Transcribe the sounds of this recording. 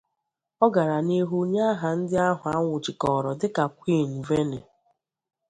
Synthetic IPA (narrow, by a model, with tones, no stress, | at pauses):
ɔ˦ɡa˨ɾa˨ni˦ɦu˦ɲa˦ɦa˨n̩˦dɪ˦a˦ɦʊ˨a˦ŋʷʊ˨t͡ʃi˨kɔ˨ɾɔ˨dɪ˦ka˨kʷi˦˨nu˨ve˦ne˨